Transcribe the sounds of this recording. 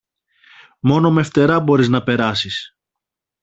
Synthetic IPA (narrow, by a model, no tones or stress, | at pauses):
mo̞no̞meft̪e̞ɾɐbo̞ɾiznɐpe̞ɾɐsis